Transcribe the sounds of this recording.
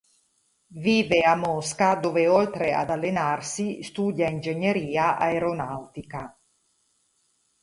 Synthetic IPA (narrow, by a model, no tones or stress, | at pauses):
viːveamːɔskad̪oːveolt̪ɾea̰d̪alːenarsist̪uːd̪jaind͡ʒeɲːeɾiːaʔaeɾonawt̪ika